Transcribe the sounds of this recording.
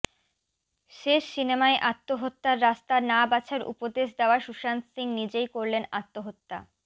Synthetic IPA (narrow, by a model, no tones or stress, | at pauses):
ʃeʃsinemaeʔat̪ːoɦot̪ːaɾːast̪anabat͡ɕʰaɾṵpod̪eʃd̪eoaʃuʃansiŋnid͡ʑejkoɾlena̰t̪ːoɦot̪ːa̰